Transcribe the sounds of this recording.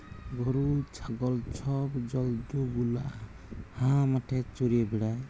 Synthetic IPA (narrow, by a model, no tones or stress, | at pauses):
ɡɔɾut͡ʃʰaɡɔlt͡ʃʰɔbd͡ʒɔlduɡula | hãmaʈʰɛt͡ʃoɾiebiɽaj